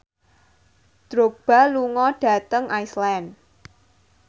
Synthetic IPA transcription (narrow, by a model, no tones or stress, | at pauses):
d̥ɾob̥a̤luŋɔɖ̥ä̤t̪əŋʔaislɛn